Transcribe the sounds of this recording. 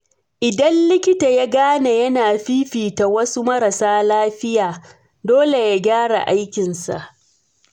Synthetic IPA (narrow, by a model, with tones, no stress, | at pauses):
ʔɪ˨dɐ˦nlɪ˦kʲɪ˦ta˨ja˦ɡaː˦na˨jɐ˦naː˨ɸiː˦ɸiː˨ta˨wɐ˦su˦mɐ˦ɾɐ˨saː˦laː˦ɸɪ˦jaː˨ | doː˦le˨ja˦ɡʲaː˦ɽa̰˨ʔa˦jkʲɪ˨nsa̰˨ʔ